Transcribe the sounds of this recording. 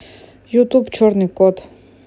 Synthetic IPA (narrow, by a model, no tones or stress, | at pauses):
jut̪ʼubt͡ʃʰɔɾnikʼɔt̪